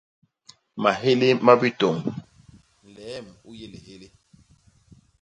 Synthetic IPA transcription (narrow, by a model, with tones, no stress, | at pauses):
ma˨ɦe˦le˦ma˦bi˦tɔ˨ŋ | n̩˨lɛ˨˦˨mu˦je˦le˨he˦le˦